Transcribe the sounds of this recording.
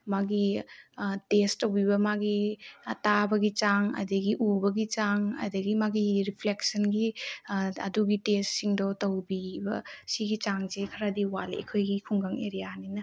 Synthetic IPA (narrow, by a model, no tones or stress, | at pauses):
maɡi | tesɐwbibɐmaɡitabɐɡit͡ʃaŋɐ̰dɐɡiʔubɐɡit͡ʃaŋɐ̰dɐɡimaɡiɾipʰleksɐnɡi | ɐ̰duɡitestsiŋdɔtɐwbibɐ̰siɡit͡ʃaŋzekʰɐɾadiwalḛkʰojɡikʰuŋɡaŋeɾijaninɐ